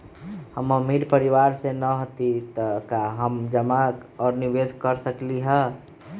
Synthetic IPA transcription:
həməmiɾpəɾiʋaɾsenəɦot̪it̪əkaɦəmd͡ʒəmakɔːɾniʋeskəɾsəkliɦɛ

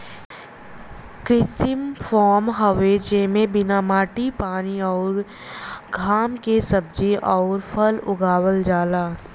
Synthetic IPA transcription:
kɾɪsɪmfʰɔːmɦəʋeːt͡ʃemẽbɪnaːmaːʈipaːniɔːɾ | ɡʱaːmkesɐb̚d͡ʒiʔɔːɾpʰəlʊ̰ɡaːwəld͡ʒaːlaː

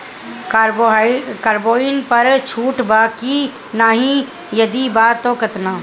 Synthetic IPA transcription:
kːɾkaːɾboːɪnpɐɾt͡ʃʰuːʈbaːki | naːɦĩ | jɐd̪ibaːt̪ːoːkɐt̪naː

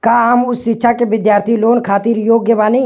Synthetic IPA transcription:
kaːamʊsːɪtːʃʰakeʋɪd̪jaːɾt̪ʰiloːnkʰaːt̪iːɾjoːɡjəʋaːni

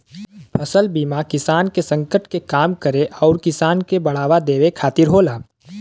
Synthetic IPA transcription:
pʰɐsəlbiːmakɪsaːnkesə̃ŋkəʈkekaːmkəɾeʔɔːɾkɪsaːnkebɐɽ̤aːʋad̪eːʋekʰaːt̪ɪɾɦoːlaː

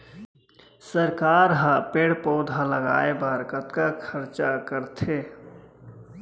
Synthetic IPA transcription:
səɾkaːɾɦə̃peːɽpɔːd̪ɦə̃ləɡa̰ːebəɾkət̪kakʰəɾt͡ʃakəɾt̪ʰe

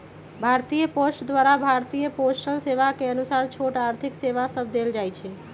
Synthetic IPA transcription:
bʱaɾt̪ijəposʈd̪ʋaɾabʱaɾt̪ijəposʈənseʋakeənusaɾt͡ʃʰoʈaɾt̪ʰikseʋasəbʱd̪eld͡ʒajt͡ʃʰɛ

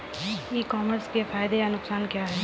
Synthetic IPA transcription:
ikɔːməɾskefaːɪd̪ejanʊksaːnkjaːɦɛː

